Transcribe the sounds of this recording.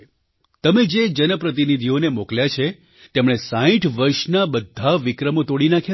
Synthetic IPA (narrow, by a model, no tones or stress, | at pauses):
t̪əmed͡ʒed͡ʒənəpɾət̪̬inid̪ʱionemokljat͡ʃʰe | t̪emɽ̃esãĩʈʰʋəɾʃnabəd̪ʱːaʋikɾəmot̪oɽinakʰja